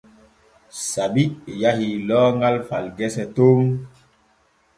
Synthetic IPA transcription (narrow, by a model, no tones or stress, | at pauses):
sabiʔjahilɔːŋɡalfalɡɛsɛtoŋ